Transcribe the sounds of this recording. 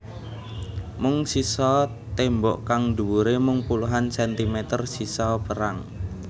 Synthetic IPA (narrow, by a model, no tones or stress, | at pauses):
mʊŋsisɔ | t̪embɔʔkaŋd̪ṳwuɾemʊŋpuluɦansɛnt̪imet̪ərsisɔpəɾaŋ